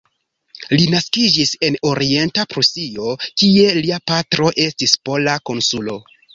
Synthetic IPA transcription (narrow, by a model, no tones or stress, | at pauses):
linaskid͡ʒise̞no̞ɾie̞ntapɾusio̞kie̞liapatɾo̞ʔe̞stispo̞lako̞nsulo̞